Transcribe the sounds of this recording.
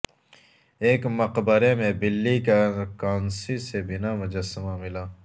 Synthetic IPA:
eːkmɐqbəɾemẽbɪlːikakaːnsisebɪnamʊd͡ʒəsəmamɪlaː

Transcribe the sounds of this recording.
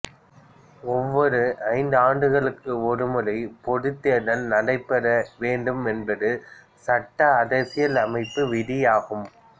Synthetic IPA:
ɔʋːɔɾɯʔɐɪnd̪aːɳɖɯɣɐɭɯkːɯɔɾɯmɯlɐɪpɔðɯt̪ːɪjɐɽɐlnɐɽɐɪpːɛɾɐʋeːɳɖɯmɛnbɐðɯ | sɐʈːɐːðɐsɪjɐlɐmɐɪpːɯʋɪɽɪjaːɣɯm

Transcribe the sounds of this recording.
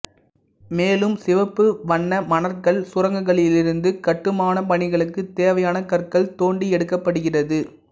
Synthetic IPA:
meːlɯmsɪʋɐpːɯʋɐɳːɐmɐnɐɾkɐɭsʊrɐŋɡɐɣɐɭɪlɪɾɯnd̪ɯkɐʈːɯmaːnɐpɐɳɪɣɐɭɯkːɯt̪ːeːʋɐjaːnɐkɐɾkɐɭt̪oːɳɖiɛɽɯkːɐpːɐɽɯɣɪrɐðɯ

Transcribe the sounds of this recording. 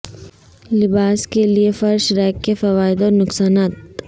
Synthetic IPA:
lɪbaːskeliefɐɾʃɾɛːkːefɐʋaːɪd̪ɔːnʊksaːnaːt̪

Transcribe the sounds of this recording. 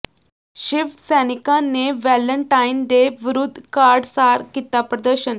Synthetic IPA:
ɕiʋsɛnikanːeʋɛləɳʈainɖeʋɾud̪ʱkaɾɖsaɾkit̪apɾəd̪əɾɕən

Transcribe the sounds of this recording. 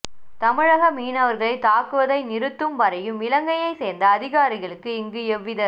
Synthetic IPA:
t̪ɐmɪɻɐɣɐmiːnɐʋɐɾɣɐɭɐɪt̪aːkɯʋɐðɐɪnɪɾɯt̪ːɯmʋɐɾɐjɯmɪlɐŋɡɐjɐɪseːɾnd̪ɐːðɪɣaːɾɪɣɐɭɯkːɯɪŋɡɯɛʋːɪðɐ

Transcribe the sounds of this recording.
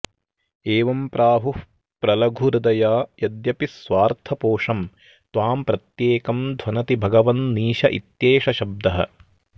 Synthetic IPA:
eːʋɐmpɾʔaːɦuh | pɾɐlɐɡʱuɾud̪ɐjaːjɐd̪jɐpisʋaːɾt̪ʰɐpoːʂɐm | t̪ʋaːmpɾɐt̪jeːkɐmd̪ʱʋɐnɐt̪ibʱɐɡɐʋɐnniːʃɐʔḭt̪jeːʃɐʃɐb̚d̪ɐɦɐ̰̆

